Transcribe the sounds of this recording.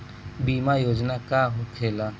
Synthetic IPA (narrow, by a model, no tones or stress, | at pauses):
biːmajoːd͡ʒnakaːɦokʰeːlaː